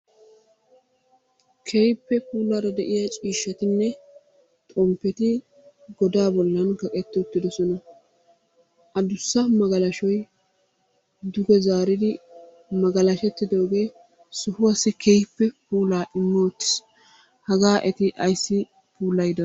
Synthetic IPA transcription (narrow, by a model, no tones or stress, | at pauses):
kʰɛjpːɛpuːlːaːɾɐd̪ɛʔɪjɐt͡ʃʼiːʃːɐt̪ɪnːɛ | t̪ʼɔmpːɛt̪ɪ | ɡɔd̪aːbɔlːɐnkɐkʼɛt̪ːɪʊt̪ːɪd̪ɔsɔnɐ | ʔɐd̪ʊsːɐmɐɡɐlɐʃɔj | d̪ʊɡɛzaːɾɪd̪ɪ | mɐɡɐlɐʃɛt̪ːɪd̪o̞ːɡe̞ː | sʊhʊwɐsɪkʰɛjpːɛpuːlaːʔɪmːoːt̪ːɪ̥s | hɐɡaːʔɛt̪ɪʔɐjsːɪ | pʰuːlɐjd̪ɐ